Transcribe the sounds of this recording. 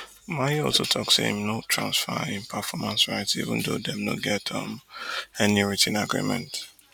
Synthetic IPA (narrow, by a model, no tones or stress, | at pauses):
maiɔlsotʰɔkstḭ̃mnotʰɹã̰nsfaɪ̃npʰafɔmãnsɹaɹɛ̃ntiḭvə̰̃ndo̰dɛ̃mnoɡɛtʰɔ̰̃mɛniɹitʰĩnaɡɹḭmɛ̰̃nt